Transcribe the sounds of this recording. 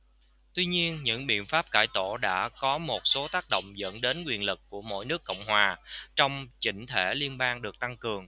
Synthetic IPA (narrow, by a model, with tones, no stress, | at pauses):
t̪wi˧ɲi˧ənɲɨ̰˧˥ŋɓḭ˧˨ənfaː˦˥p̚kaː˧˩jt̪o˧˩ɗa̰ː˧˥kɔ˨˦mo˨˩t̚so˨˦t̪aː˦˥k̚ɗo̰˧˨wŋ͡mzə̰˧˥nɗe˨˦nkwi˨˩ənlɨ˨˩kkːu˧˩əmo̰˧˥jnɨ˦˥əkːə̰˧˨wŋ͡mɦwaː˨˩t͡ɕɔ˧wŋ͡mt͡ɕḭ̈˧˩ŋ̟t̪ʰe˧˩li˧ənɓaː˧ŋɗɨ˨˩ək̚t̪a˧ŋkɨ˨˩əŋ